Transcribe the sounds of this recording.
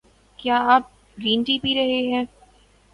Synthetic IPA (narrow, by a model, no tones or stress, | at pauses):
kjaːaːp̚ | ɡɾiːnʈiːpiɾɐɦeɦɛ̃ː